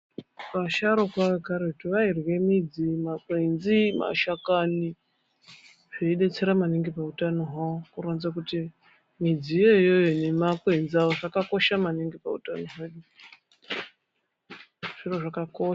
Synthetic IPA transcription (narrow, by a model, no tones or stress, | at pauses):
paʃaɾokaekaɾeutiʋairwe̞mid͡zimakwenzima̰ʃakani | ʐ̥eiɗe̞t͡se̞ɾamaniŋɡipautanoɦaokuɾonzak̬uti | mid͡zijo̞jo̞jonemakwend͡ziaʋoʐakako̞ʃamaniŋɡipa̰utanoɦeɗu | ʐ̥iro̞ʐakako